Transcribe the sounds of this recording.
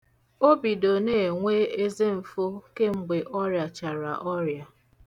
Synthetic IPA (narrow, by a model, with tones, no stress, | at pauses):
o˦bi˨do˨ne˨e˨ŋʷe˦e˦ze˦m̩˨fo˦ke˦ŋ͡m̩˨ɡ͡be˨ʔɔ˦ɾja˨t͡ʃa˨ɾa̰˨ʔɔ˦ɾja˨